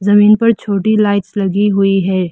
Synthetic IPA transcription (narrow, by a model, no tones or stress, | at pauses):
zɐmĩːnpɐɾt͡ʃʰoːʈilaːɪʈslɐɡiɦʊiɦɛː